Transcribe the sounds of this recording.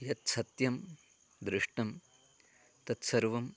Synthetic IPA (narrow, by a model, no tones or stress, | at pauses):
jɐt̪̚sɐt̪jɐm | d̪ɾɪʂʈɐm | t̪ɐt̪sɐɾʋɐm